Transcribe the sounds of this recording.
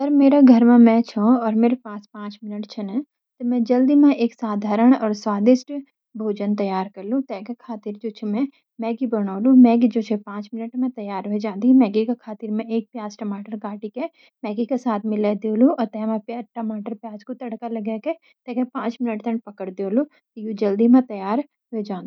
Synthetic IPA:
sɐɾmeːɾaɡʱɐɾmẽmɛ̃t͡ʃʰõɔːɾmeːɾepaːspãːt͡ʃmɪnəʈt͡ʃʰenə | t̪ɔmɛ̃d͡ʒɐld̪imẽeːksaːd̪ʱaːɾəɽ̃ɔːɾswaːd̪ɪʃʈ | bʱoːd͡ʒənt̪ɐjaːɾkɐɾlũt̪ɛːkekʰaːt̪ɪɾd͡ʒoːt͡ʃʰemɛ̃ | mɛ̃ːɡibəɽ̃aːlumɛ̃ːɡid͡ʒoːt͡ʃʰepãːt͡ʃmɪnəʈmɛ̃t̪ɐjaːɾɦʊed͡ʒãːnd̪imɛ̃ːɡikekʰaːt̪ɪɾmẽeːk̚pjaːsʈəmaːʈəɾɡaːʈike | mɛ̃ːɡikesaːt̪ʰmɪleːd̪eluɔːt̪ɛ̃ːmãpaːʈəmaːʈəɾpjaːd͡ʒkot̪ɐɽkalɐɡeːke | t̪ɛ̃ːkepãːt͡ʃmɪnəʈt̪ənpɐkəɽd̪eolu | t̪jud͡ʒəld̪imãt̪ɐjaːɾ | ɦʊed͡ʒãːnd̪i

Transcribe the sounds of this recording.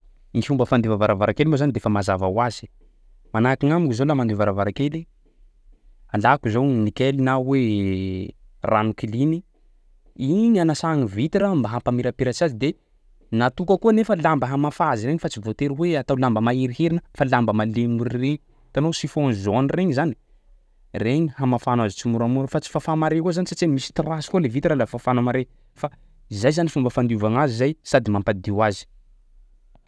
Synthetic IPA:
niʃumbəfand̪evavaɾavaɾakelimozanid̪efəmazavawaz̥i̥ | manakiŋamiŋuzolamand̪evaɾavaɾakeli | alakuzownikelinawe | ranukilini | iɲanasaŋivit̪iɾambaɦampamiɾapiɾat͡sazid̪e | nat̪ukəkuənefəlambəɦamafazireɲifat͡sivot̪eɾiweat̪awlambəmaiɾiɦeɾinəfalambəmalemuɾreɲi | t̪anosifonzonireɲizani̥ | reɲihamafanazit͡simuɾamuɾəfat͡si̥fafamaɾekozanisat͡semmisi̥t̪iɾasi̥kolevit̪iɾalafafanamaɾe | fa | izajzanifumbəfand̪uvaŋazizajsad̪imampad̪iwazi̥

